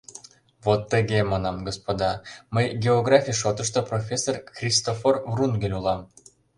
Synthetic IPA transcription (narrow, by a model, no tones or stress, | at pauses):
vot̪ːəɣemɑnɑmɡospod̪ɑməjɡʲeoɡrɑfʲijʃ̬ot̪əʃt̪oprofʲesːorxrʲist̪oforvrunɡʲelʲulˠɑm